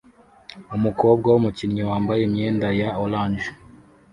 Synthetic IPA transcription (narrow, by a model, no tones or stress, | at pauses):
umuko̞ːb̚ɡawomucinɲowaːmbajemɲe̞ːndajaolaːɲd͡ʒe